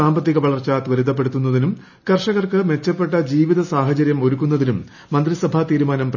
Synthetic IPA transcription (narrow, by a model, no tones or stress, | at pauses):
aːmbɐt̪ːiɣɐʋɐɭɐrt͡ɕːɐt̪ʋɐɾiðɐp̬ːe̞ɽut̪ːunːɐðinum | kɐrʂɐɣɐrkɨme̞t͡ɕːɐpːe̞ʈːɐd͡ʑiːʋiðɐsaːɦɐt͡ɕɐɾjɐmo̞ɾukːunːɐðinumː | ɐnd̪risɐbʱat̪iːɾumaːnɐmp